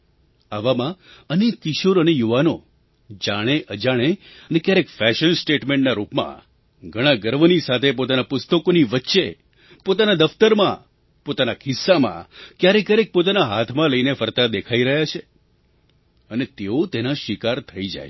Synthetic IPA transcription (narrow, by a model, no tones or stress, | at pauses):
aʋamãənikɪʃuɾənejuʋano | d͡ʒaɽ̃eʔəd͡ʒaɽ̃e | ənekjaɾekfɛʃənsʈeʈmẽɳʈnaɾupmã̰ | ɡʱəɽ̃ãɡəɾʋənisat̪ʰepot̪anapʊst̪əkoniʋətːʃe | pot̪anad̪əft̪əɾmã | pot̪anakʰɪsːamã̰kjaɾekaɾek̚pot̪̬anaɦat̪ʰmãləinefəɾt̪ad̪ekʰaiɾəɦjat͡ʃʰe | ənet̪eot̪enaʃɪkaɾt̪ʰəid͡ʒa̰j